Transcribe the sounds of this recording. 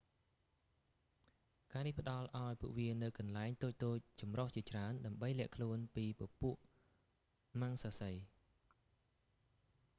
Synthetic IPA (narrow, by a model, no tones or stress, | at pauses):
kaːnihpə̆ɗɑlʔaɔjpuəʔʋiənɨwkɑnlaɛŋt̪oːc̚t̪oːc̚t͡ɕɑmroht͡ɕiət͡ɕraənɗaəmɓəjlɛ̆əʔkʰluənpiːpə̆puəʔ | maŋsaːsəj